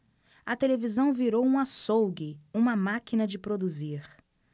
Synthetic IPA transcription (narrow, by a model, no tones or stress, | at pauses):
ɐt̪elevizɐ̃w̃viɾowũɐsowɡiũmɐmakinɐd͡ʒɪpɾod̪uziɾ